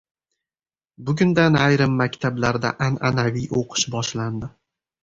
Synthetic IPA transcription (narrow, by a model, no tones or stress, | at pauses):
bʊɡʲʊnd̪anajɾɪmːakʲt̪ʰablaɾd̪a̰ʔananavijoqʰɨ̥ʃbɒʃland̪ɪ